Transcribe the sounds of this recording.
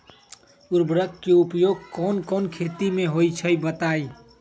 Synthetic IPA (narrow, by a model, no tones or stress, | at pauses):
uɾbʱɾəkkeupjoɡ̚kɔːnkɔːnkʰet̪imẽɦot͡ʃʰəjbət̪ai